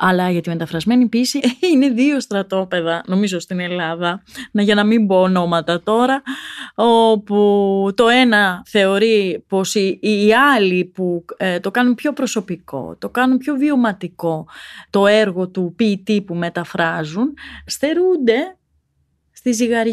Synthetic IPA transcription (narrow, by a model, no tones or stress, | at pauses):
ɐlɐʝɐt̪ime̞t̪ɐfɾɐzme̞nipisiine̞ðio̞st̪ɾɐt̪o̞pe̞ðɐno̞mizo̞st̪ine̞lɐðɐnʝɐnɐmimbo̞ːno̞mɐt̪ɐt̪o̞ɾɐ | oput̪o̞e̞nɐθe̞o̞ɾipo̞siːɐliput̪o̞kɐnumpço̞pɾo̞so̞piko̞̰t̪o̞kɐnumpço̞vio̞mɐt̪iko̞t̪o̞e̞ɾɣo̞t̪upit̪ipume̞t̪ɐfɾɐzunst̪e̞ɾund̪e̞ | st̪iziɣɐɾ